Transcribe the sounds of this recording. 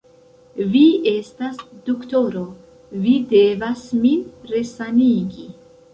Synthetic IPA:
viestasd̪̥ukt̪oɾo | videvasminɾesaniɡi

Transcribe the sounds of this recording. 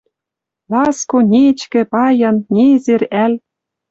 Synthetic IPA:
lɑskonʲet͡ɕkɘ̆pɑjɑnnʲezerælʲ

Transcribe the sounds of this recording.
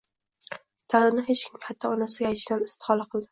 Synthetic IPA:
t̪ʰaɾɪnɪɦet͡ʃkʰʲɪmʲhat̪ʰːɒɒnasɪɡʲajt̪ʰɪʃd̪anɪst̪ʰɪ̥hɒlˠaqʰɨlˠd̪ɪ

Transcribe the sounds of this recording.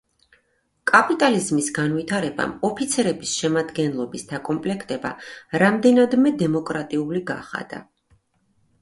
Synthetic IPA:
kʼapʼit̪ʼalizmisɡanvit̪ʰaɾɛba̰mɔpʰit̪sʰɛɾɛbisʃɛmad̪ɡɛnlˠɔbisd̪̥akʼɔmpʼlɛkʰt̪ʼɛba̰ɾamd̪ɛnad̪mɛd̪ɛmɔkʼɾat̪ʼiuliɡa̰χa̰d̪̥a̰

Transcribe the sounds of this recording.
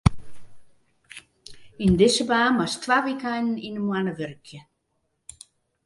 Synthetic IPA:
ind̪ɪsəbaːmwast̪ʰvaːʋikajnn̩inəmwanəʋʏrkʰjə

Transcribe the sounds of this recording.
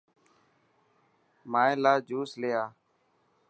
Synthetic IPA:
maːẽːlaːd͡ʒuːsleːaː

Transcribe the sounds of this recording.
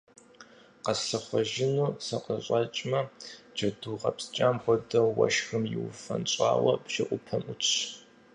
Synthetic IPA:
qɐsɐχʷɔʒɪnuːsɐqəɕʼɐt͡ʃʼmɐd͡ʒɐduːʁɐ̰pst͡ʃʼaːmbʷɔdɐwɐ̰ʃxɨmjɪwfɐ̰nt͡ʃʷʼa̰ːwɐpʃɐʔʷʊpʰɐmʔʊt͡ʃʰɕ

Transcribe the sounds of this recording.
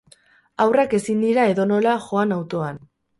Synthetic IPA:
awrake̞sind̪iɾae̞ðo̞no̞laʝo̞anawt̪o̞an

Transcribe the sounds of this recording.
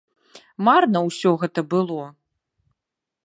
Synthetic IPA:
marnɐwsʲɔɣɛt̪ɐbɨlˠɔ

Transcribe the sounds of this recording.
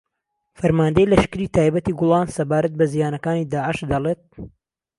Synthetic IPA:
fɐɾmaːnd̪ɐjlɐʃkɨɾiːt̪ʰaːjbɐt̪iɡʊlˠɑːnsɐbaːɾɐt̪̚bɐzijaːnɐkaːniːd̪aːʕɪʃd̪ɐlˠeːt̪̚

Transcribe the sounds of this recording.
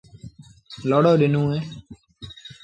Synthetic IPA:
loːɽoːɗɪnũːɦẽː

